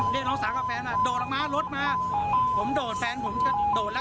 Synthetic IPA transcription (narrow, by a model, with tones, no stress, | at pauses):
li˧˩k̚nɔː˦˥saː˨˦kaː˧˩fɛː˧naː˨˩ɗoː˨˩la˨˧˩maː˨˥lo˦˥t̪̚maː˨˦˥pʰo˩˦mɗoː˨˩t̚fɛː˧npʰo˨˩˦mt͡ɕʰa˧˩ɗoː˨˩t̚la˦˧